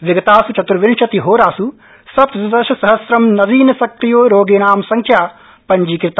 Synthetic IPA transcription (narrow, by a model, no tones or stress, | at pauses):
ʋɪɡɐt̪aːsut͡ʃɐt̪ɾʋɪnʃɐt̪iɦoːɾaːsu | sɐpt̪sɐd̪ɐʃɐsɐɦɐsɾɐmnɐziːnɐsɐkɾijoːɾoːɡeːnaːmsɐŋkʰjaː | pɐɲd͡ʒiːkɾɪt̪a